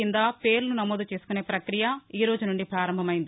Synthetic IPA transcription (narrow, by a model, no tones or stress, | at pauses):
ind̪aːpe̞ːɾlunɐmoːd̪ut͡ʃe̞ːsu̥kune̞ːpɾɐkɾijɐiːɾo̞ːd͡ʒunuɳɖipɾaːɾɐmbʱɐmɐjind̪i